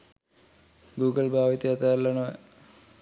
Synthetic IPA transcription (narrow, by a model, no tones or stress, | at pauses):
ɡuːɡɐlbʱaːʋit̪iɐt̪aːlːɐnoːj